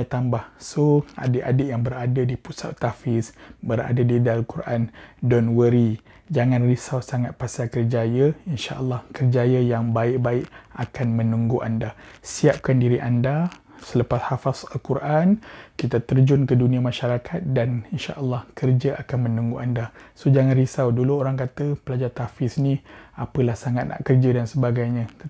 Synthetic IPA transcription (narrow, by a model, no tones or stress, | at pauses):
at̪ambahsoa̰dəʔadəʔjaŋbəɾadadipusa̰tt̪afɪsbəɾa̰dadidalkuɾʔandɔnwəɾi | d͡ʒaŋãnrisawsaŋat̪̚pasakərd͡ʒajəinʃa̰ʔəlːɑhkərd͡ʒajəjaŋbaɪʔ̚baɪʔakanmə̃nuŋɡuʔa̰ndasiap̚kandiɾiʔanda | sələpashafasalkuɾʔankit̪at̪ərd͡ʒʊnkədunĩamaʃaɾakʰat̪̚daninʃa̰ʔəlːɑhkərd͡ʒəʔakanmə̃nuŋɡuʔandasod͡ʒaŋanrisawduluoɾaŋkat̪əpəlad͡ʒart̪afɪsniapəlahsaŋat̪̚nʔa̰ʔkərd͡ʒədansəbaɡajɲã